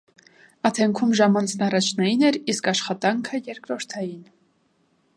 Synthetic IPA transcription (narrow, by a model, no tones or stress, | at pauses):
ɑt̪ʰɛŋkʰumʒɑmɑnt͡sʰnɑrɑt͡ʃʰnɑjinɛɾiskɑʃχɑt̪ɑŋkʰəjɛɾkɾɔɾt̪ʰɑjin